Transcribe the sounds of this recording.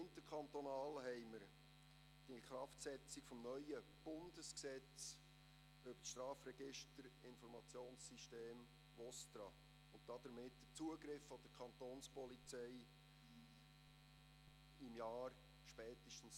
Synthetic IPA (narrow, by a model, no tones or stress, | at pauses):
ɪnt̪əkʰɑnt̪ɔnɑːlɦɛɪməɾ | d̥ikχrɑftsɛt͡sɪkfɔmnœʏəb̥ʊnd̥əsksɛt͡s | ʏbə̥sʃtɾɑːfrɛɡɪʃtəɾɪnfɔɾmɑt͡sjoːnssiʃteːm | vɔst̪ɾɑ | ʊnt̚d̥ɑd̥̪əɾmɪtdət͡suəɡɾɪfːɔd̥əɾkʰɑnt̪oːnspɔlit͡sɛɪ | ɪmjɑːɾ | ʃpɛːt̪əʃtən̩s